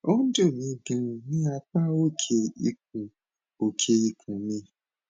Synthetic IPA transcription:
o˦ũ˦do˦˨mĩ˨˧˦ɡã˧˨nĩ˦a˧k͡pa˦wo˦˨kʰe˧i˧k̚ũ˨ | o˨kʰe˧i˧kʰũ˨mĩ˧˦

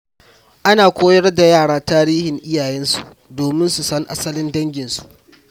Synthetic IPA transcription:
ʔa˦naː˨kʷʰoː˦jɐ˦rda˨jaː˦˨ɽaː˦taː˦ɾiː˦hɪ˨ŋʔɪ˦jaː˨jɛ˦nsu˨ʔ | doː˨mɪ˦nsu˨sɐ˦ŋʔa̰˦sɐ˦lɪ˦ndɐ˦ŋɡʲɪ˨nsu̥˨ʔ

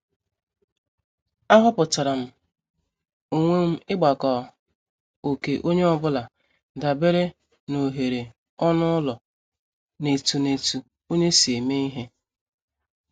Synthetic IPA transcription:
a˦ɦʊ˦pʊ˨ta˨ɾa˨m̩˦ | o˨ŋʷe˦m̩˦ɪ˦ɡ͡ba˨kɔ˨ | o˨ke˨ʔo˦ɲe˦ɔ˦bʊ˦la˨ | da˨be˦ɾe˦ | no˨ɦe˨ɾe˨ | ɔ˦nʊ˦ʊ˦lɔ˨ | ne˨tu˨ne˨tu˨ | o˦ɲe˦si˨e˨me˦i˦ɦe˦

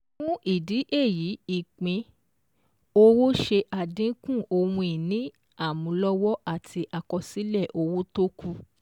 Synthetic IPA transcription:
ũ˦ʔi˦˨di˨˦ʔe˦˨ji˨˦i˦˨k͡pĩ˧ | o˧wo˦ʃe˧ʔa˨dĩ˨˦kũ˦˨o˧wũ˧i˨nĩ˦ | a˦˨mũ˨˦lɔ˦wɔ˦a˦˨tʰi˧ʔa˨kɔ˧si˨˦lɛ˦˨ʔo˧wo˦to˦ku˧

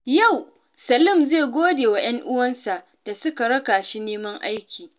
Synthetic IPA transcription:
ja˦˨w | sɐ˨lʊ˦mzeː˦˨ɡʷoː˦deː˨wa˨j̰ɐ˦ŋʔʊ˦wɐ˦nsa˨ʔ | d̥a˨sʊ˦ka˨ɽɐ˦kaː˨ʃi˦neː˦mɐ˦ŋʔa˦jkʲiː˨

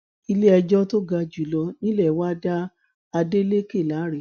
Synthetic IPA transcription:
i˧le˦ɛ˧d͡ʒɔ˦to˦ɡa˧d͡ʒu˨˦lɔ˧nĩ˦lɛ˦˨wa˦da˦ | a˧de˦le˦ke˦˨la˨˦ɾe˨

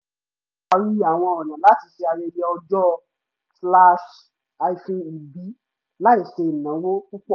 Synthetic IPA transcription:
a˧ɾi˦a˨w̃ɔ̃˧ɔ˨nã˨la˨˦ti˧˦ʃe˧a˧ɾe˧˦ɾe˧ɔ˧d͡ʒɔ˦ | sla˧ʃ | a˧i˧fe˧i˨bi˨˦ | la˦i˦˨ʃe˧i˨nã˨˦wo˦ku˦k͡pɔ˦˨

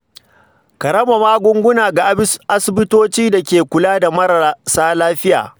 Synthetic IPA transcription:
kɐ˨ɾɐ˦ma˨maː˦ɡʷʊ˦ŋɡʷʊ˦naː˨ɡa˨ʔʔa˦sɪ˨bɪ˦toː˦t͡ʃiː˦da˨kʲeː˨kʷʊ˨laː˦da˨mɐ˦ɾɐ˨saː˦laː˦ɸɪ˦ja̰ː˨

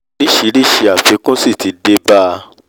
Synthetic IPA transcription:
i˦˨ʃi˨˦ɾi˦˨ʃi˧a˨fe˨˦kũ˦si˦˨ti˨˧˦de˦ba˦

